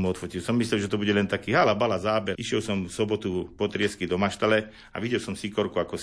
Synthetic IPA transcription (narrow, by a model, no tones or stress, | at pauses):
muɔt̪fɔcilsɔmːisʎɛlʒɛt̪ɔbuɟɛlɛnt̪akiːɦalabalazaːbɛiʃɪɛlsɔmfsɔbɔt̪upɔt̪ɾɪɛskid̪ɔmaʃt̪alɛ | a̰ʋiɟɛlsɔmsikɔɾkuakɔ